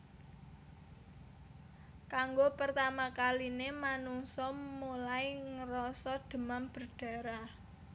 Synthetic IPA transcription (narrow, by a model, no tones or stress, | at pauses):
kaŋɡopərt̪amakalinemanuŋsɔmulaiŋəɾɔsɔd̪̥ə̤mamb̥ərɖ̥a̤ɾa